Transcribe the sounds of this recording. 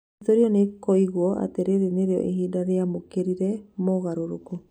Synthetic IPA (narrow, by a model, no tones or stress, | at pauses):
toɾiɔnekɔiɣwɔʔa̰teɾeɾeneɾeɔ̰ʔeɦiːdaɾeamokeɾiɾɛmoɣaɾoɾoko